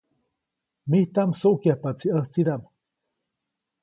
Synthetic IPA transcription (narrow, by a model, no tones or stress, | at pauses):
miht̪amsoʔkjahpat͡siast͡sid̪am